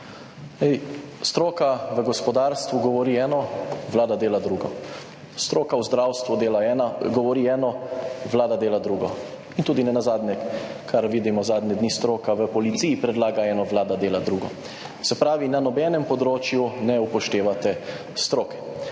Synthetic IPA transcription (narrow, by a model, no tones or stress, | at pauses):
nɛjst̪ɾoːkaʋəɡɔspɔd̪aːɾst̪ʋuɡɔʋɔɾiːɛːnɔʋlaːd̪ad̪eːlad̪ɾuːɡɔ | st̪ɾoːkawzd̪ɾawst̪ʋud̪eːlaɛaɡɔʋɔɾiɛːnɔʋlaːd̪ad̪eːlad̪ɾuːɡɔ | int̪uːd̪inɛnazaːd̪nʲɛkʰaɾʋiːd̪imɔzaːd̪ɲɛd̪nist̪ɾoːkaʋəpɔlit̪siːjipɾɛd̪laːɡaɛːnɔʋlaːd̪ad̪eːlad̪ɾuɡɔ̰ | sɛpɾaːʋinanɔbɛnɛmpɔd̪ɾoːt͡ʃjunɛupɔʃt̪eːʋat̪ɛ | st̪ɾoːkɛ̥